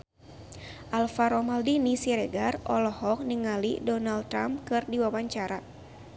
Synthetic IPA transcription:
ʔalfaɾɔmaldinisiɾɛɡarʔɔlɔhɔk̚niŋalḭdɔnalt̪ɾamkɨrdiwawaɲt͡ʃaɾa

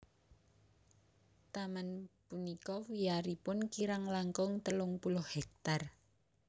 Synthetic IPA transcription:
t̪amanpunikɔwiaɾipʊnkiɾaŋlaŋkɔŋt̪əlʊŋpulʊhhɛk̚t̪ar

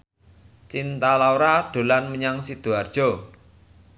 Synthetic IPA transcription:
t͡ʃint̪alawɾaɖ̪̥o̤lanməɲaŋsid̪̥uard̥ʒ̥ɔ̤

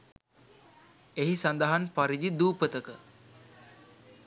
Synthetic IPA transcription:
eɦisand̪aɦanpaɾid͡ʒid̪uːpət̪əkə

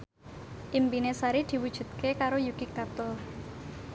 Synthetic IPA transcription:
ʔimpinesaɾid̪̥i̤wud̥ʒ̥ṳt̪̚kekaɾojuɡ̥ikːat̪ʊl

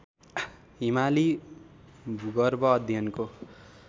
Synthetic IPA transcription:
ɦimali | bʱuɡʌrbʌːd̪ʱjʌnko

